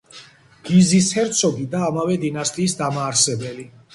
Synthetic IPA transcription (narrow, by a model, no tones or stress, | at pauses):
ɡ̥izishɛɾt̪sʰɔɡid̪aːmavɛd̪inast̪ʼiːsd̪amaːɾsɛbɛli